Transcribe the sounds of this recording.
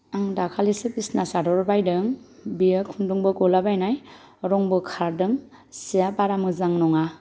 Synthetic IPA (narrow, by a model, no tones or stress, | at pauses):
aŋdakʰalisɯpisnasadɔɾbajdɯŋbiɯkʰundɔŋbɯkɔlabajnaj | ɾɔŋbɯkʰaɾdɯŋ | sijapaɾamɯzaŋnɔŋa